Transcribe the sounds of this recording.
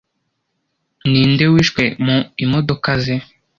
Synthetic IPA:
niːndewiːʃkwemuimodokaze

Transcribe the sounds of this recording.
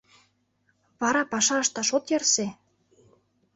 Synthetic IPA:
βɑɾɑpɑʃɑəʃt̪ɑʃot̪jɤrse

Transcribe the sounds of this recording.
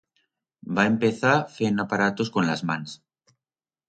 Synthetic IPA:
baempeθafenapaɾat̪oskonlazmãns

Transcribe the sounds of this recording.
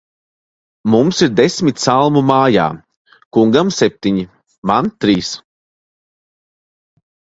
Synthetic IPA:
mumsiɾd̪esmʲit̪ʲsalˠmumaːja̰ː | kuŋɡamsep̚t̪iɲi | mant̪ɾiːs

